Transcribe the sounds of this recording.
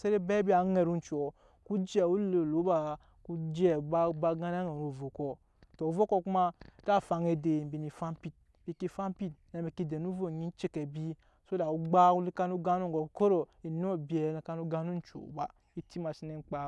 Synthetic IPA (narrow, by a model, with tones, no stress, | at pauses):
se˦ɾe˦bɛ˦bi˦a˨˦ŋe˨ɾu˦n̩˨˦t͡ʃɔ˨ | ku˦d͡ʒɛ˨u˦le˨lo˨˦ba˨ | ku˦d͡ʒɛ˦˨ba˦ba˧ɡa˦n˦a˦ŋe˨ɾu˨vo˨kɔ˧ | tɔ˨vo˦kɔ˧ku˦ma˦ta˦˨fa˨˧ŋe˧de˨m̩˨bi˨ni˨fa˦mpi˦t̚bi˨ki˧˦fa˦mpi˦t̚nɛ˨mɛ˨ki˧de˨nu˦vo˦˨ɲĩ˦n˦t͡ʃe˦kɛ˨bi˦ | so˦da˨u˨˦ɡ͡ba˦ku˦li˦ka˧nu˦ɡa˦nu˦ŋ˨ɡɔ˨ko˦ɾo˨i˨n˦o˦bɛ˨ne˨ka˧˦nu˦ɡa˦nu˦n˦t͡ʃo̰˨˦ba˨ | i˦ti˦ma˨ʃi˦ne˦˨ŋ͡m̩˦k͡pa˨